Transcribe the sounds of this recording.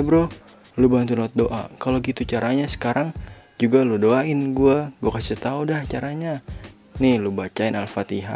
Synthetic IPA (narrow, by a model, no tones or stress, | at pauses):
abɾʊ | lubant̪ulɔt̪̚doʔa̰kaloɡit̪ut͡ʃaɾaɲasə̥kaɾaŋd͡ʒuɡaludoaɪnɡuaɡuakasit̪audaht͡ʃaɾaɲa | nɪhlubat͡ʃaɪnalfat̪iɦa̰